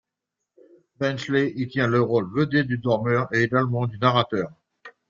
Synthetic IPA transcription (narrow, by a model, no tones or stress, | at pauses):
bɛ̃nʃleʔit̪jɛ̃ləʁolvəd̪ed̪yd̪ɔʁmœʁeeɡalmɑ̃d̪ynaʁat̪œːʁ